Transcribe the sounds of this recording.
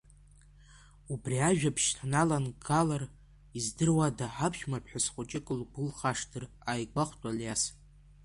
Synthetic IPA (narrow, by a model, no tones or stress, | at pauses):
ubriaʒᶣapʰʃtʰanalanɡalar | izdɨrwadaħapʰʃᶣmapʰħʷasχʷʊt͡ʃʼɪkʼɨlɡɨlχaʂdʰɨr | ajɡʷaχʷtʼaljas